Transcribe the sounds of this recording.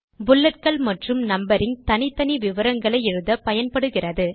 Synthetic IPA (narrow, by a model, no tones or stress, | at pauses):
bʊlːɐɾkɐɭmɐʈrɯmnɐmbɐɾɪnt̪ɐnɪt̪ːɐniʋɪʋɐɾɐŋɡɐɭɐɪɛɻɯðɐpɐjɐnpɐɽɯɣɪrɐðɯ